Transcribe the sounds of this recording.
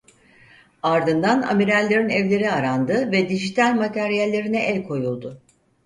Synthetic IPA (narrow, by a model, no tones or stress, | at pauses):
aɾd̪ɯnd̪ana̰miɾælʲːeɾinɛvlʲe̞ɾiaɾand̪ɯvɛd̪iʒit̪ʰalʲmat̪ʰæɾijælʲːe̞ɾinɛʔɛlʲkʰo̞julˠd̪ʊ